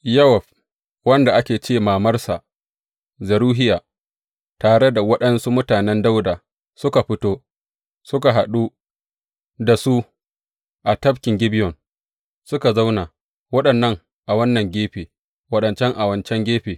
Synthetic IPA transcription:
jɐ˦wɐ˨ɸ | wɐ˦nda˨ʔa˦kʲeː˨t͡ʃeː˦˨maː˨mɐ˦rsa˨ʔ | zɐ˨ɾuː˦ɦɪ˦jaː˨ | taː˨ɽe˦da˨wɐ˦ɗɐ˦nsu˦mʊ˦taː˨nɛ˦nda˦wdaː˨ | sʊ˦ka˨ɸɪ˦toː˦ | sʊ˦ka˨ɦa˨ɗu˦ | da˨su˦ | ʔa˨tɐ˦bkʲɪ˨ŋɡʲɪ˦bɪ˦jɔ˨n | sʊ˦ka˨za˦wna˨ | wɐ˦ɗɐ˨nːɐ˦ŋ | ʔa˨wɐ˦nːɐ˨ŋɡʲeː˦ɸeː˨ | wɐ˦ɗɐ˨nt͡ʃɛ˦ŋʔa˨wɐ˨nt͡ʃɛ˦ŋɡʲeː˦ɸeː˨

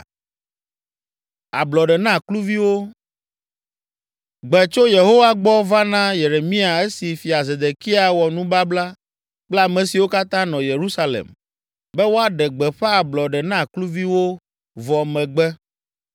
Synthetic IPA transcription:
a̰˨blɔ˨ɖɛ˨nã˦˨klu˦vi˦wo˦ | ɡ͡bɛ˨t͡ʃo˦je˨ɦo˦wa˦ɡ͡bɔ˦va˦nã˦je˨ɾe˨mĩ˦a˨e˦si˨fi˨a˨ze˨d̪e˨ki˦a˨wɔ˨nũ˦ba˦bla˦ | k͡pla˦˨mɛ̃˨si˨wo˦ka˦t̪ã˦nɔ̃˨je˨ɾu˦sa˦lḛ˨m | bɛ˦wo˦a˦ɖɛ˨ɡ͡bɛ˨ɸɛ˦a˨blɔ˨ɖɛ˨nã˦˨klu˦vi˦wo˦ | vɔ˨mɛ̃˨ɡ͡bɛ˦

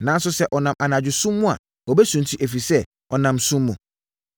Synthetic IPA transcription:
nã˨˦n̩˦sʊ˦sɛ˦ʔɔ˨nã˨mʔa˨nã˨d͡ʑᶣɪ˨sũː˦ʊ̃˦a̰˨ | ɔ˨bɛ˦sũ˨n˨tʰi˦ʔe˨fi˨sɛ˦ | ɔ˨nã˨msũ˦mːʊ̃˨

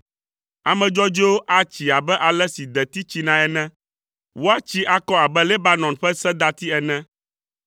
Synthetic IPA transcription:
a˨mɛ̃˨d͡ʒɔ˦d͡ʒo˦o˦ʔa˦t͡ɕi˨a˨bɛ˦ʔa˨lɛ˦si˨d̪ɛ˨t̪i˦t͡ɕi˦nã˦ɛ˨nɛ̃˦ | wo˦a˦t͡ɕi˦ʔa˨kɔ˦a˨bɛ˦lɛ˦ba˦nɔ̃˨nɸɛ˦sɛ̃˦d̪a˦t̪i˦ɛ˨nɛ̃˦

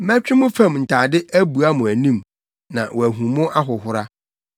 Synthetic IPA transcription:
mæ̃˦t͡ɕᶣɪ˦mʊ̃˦fã˦˨mn̩˨tʰaː˨dɪ˦ʔæ˦bu˨a˦mʊ̃˨æ˨nĩ˦m | nã̰˨wɔ˨æ˨ɦũ˨mʊ̃˦ʔa˦ɦʊ˨hʊ˦ɾa˦

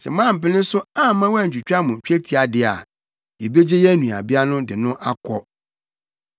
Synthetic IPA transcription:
sɛ̰˨mã˦˨m̩˨pɪ˦nɪ̃˦sʊ˦ã˦˨˦mã˦wæ˦˨ɲ̩˨t͡ɕᶣi˨t͡ɕᶣa˦mʊ̃˨t͡ɕᶣæ˦tʰi˨a˨dɪ˨a̰˨ | jɛ˨be˦d͡ʑe˦jɛ˦nũ˨a̰˨bɪ˦a˦nʊ̃˦dɪ˨nʊ̃˦ʔa˦kʰɔ˦

